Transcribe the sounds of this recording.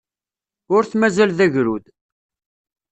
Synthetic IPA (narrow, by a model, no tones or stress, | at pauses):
ʊɾθmæzælðæʝɾud̪